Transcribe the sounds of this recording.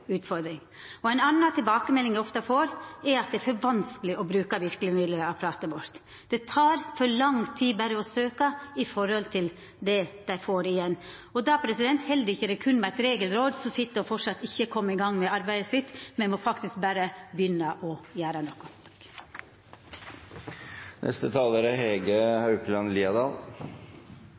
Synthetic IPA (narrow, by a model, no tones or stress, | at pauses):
ʉːt̪fɔɾd̪ɾɪŋ | ɔæɪnɑnːɑt̪ʰɪlbɑːkəmɛlːɪŋæɪɔft̪əæɪfoːɾɛɾɑt̪d̪ɛæɾfɔɾʋɑnskəlɪʔɔbɾʉːkɑʋɪɾkəlɪmɪd̪ləɾəɑpʰɾɑːt̪əbɔɾt̪ | d̪̥ɛt̪ʰɑːɾfɔɾlɑŋt̪ʰiːbæɾəɔsøːkɑɪfɔɾhɔlt̪ʰɪl | d̪ɛd̪̥æɪfoːɾɪjɛnː | ɔd̪ɑpʰɾɛsɪd̪ɛnt̪hɛld̪ɪçːəɾɛkʰʉnmæɪt̪ɾeːɡəlɾoːd̪sɔsɪt̪ːəɔfɔʈʂɑt̪ːɪçːəkʰɔmːəɪɡɑŋːmɛɑɾbæɪd̪əsɪt̪ːmɛnmɔfɑkt̪ɪsk̚bæːɾəbjʏnəʔɔjæːɾənɔkːʊ | nʔɛ̰st̪ət̪ʰɑːləɾəɦeːɡəhɑʉplɑnliːɑd̪ɑːl